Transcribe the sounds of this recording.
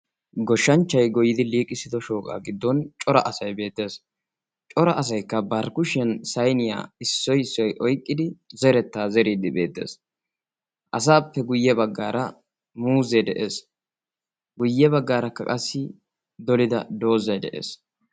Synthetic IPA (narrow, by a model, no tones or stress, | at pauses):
ɡɔʃːɐnt͡ʃːɐjɡɔjɪd̪ɪliːkʼːɪsɪd̪ɔʃo̞ːkʼa̰ːɡɪd̪ːɔnt͡ʃʼɔɾɐ̰ʔɐsɐjbe̞ːt̪ːe̞ːs | t͡ʃʼɔɾɐʔɐs̬ɐjkːɐbɐɾkʊʃɛnsɐjnɪja̰ːɪsːɔjɪsːɔjʔɔjkʼːɪd̪ɪzɛɾɛt̪ːaːzɛɾiːd̪ɪbe̞̰ːt̪ːe̞̰ːs | ʔɐs̬aːpːɛɡʊjːɛbɐɡːaːɾʔɐ | muːzɛjd̪ɛʔeːs | ɡʊjːɛbɐɡːaːɾɐkːɐkʼɐsːɪ | d̪ɔlɪd̪ɐd̪o̞ːzɐjd̪ɛ̰ʔḛːs